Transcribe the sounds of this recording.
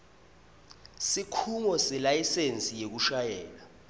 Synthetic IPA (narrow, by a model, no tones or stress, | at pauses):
sikʰuŋɔsɛlajisent͡sʼijek̬uʃajɛːla